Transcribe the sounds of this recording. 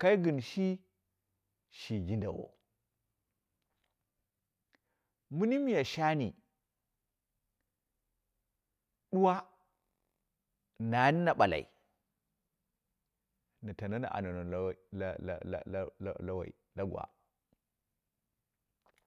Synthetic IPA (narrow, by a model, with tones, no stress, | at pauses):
ka˦i˦ɡi˨nʃi˦ | ʃi˨ɡi˦nda˨wo̰˨ | mu˦ni˦mi˨ja˨ʃa˦ni˨ | ɗu˦wa˦ | na˨˦ni˦na˨ɓa˨la̰˨ḭ˨ | na˨ta˨na˦na̰˨ʔa̰˨na˨no˨˦˨ | la˦wa̰˨i˨da˦ɡa̰˨